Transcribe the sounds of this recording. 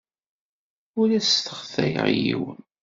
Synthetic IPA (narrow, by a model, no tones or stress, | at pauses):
ʊɾæsθə̥χθæj̰ʁjḭwən